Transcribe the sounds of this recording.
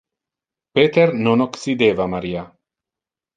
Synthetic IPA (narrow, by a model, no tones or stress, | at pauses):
peːt̪ernonoksid̪eːvamaɾiːa